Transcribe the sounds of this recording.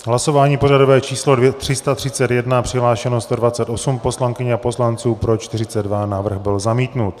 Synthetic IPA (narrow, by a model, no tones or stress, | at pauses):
ɦlaso̞vaːɲiːpo̞rado̞vɛːt͡ʃiːslo̞dvɛt̪r̥ɪst̪at̪r̝̥ɪt͡sɛt̪jɛdnapr̝̥ɪɦlaːʃɛnost̪o̞dvat͡sɛt̪o̞sumpo̞slaŋkɪɲɛapo̞slant͡suːpɾo̞t͡ʃt̪ɪrɪt͡sɛd̪dvanavr̩ɣbɪlzamiːt̪nut̪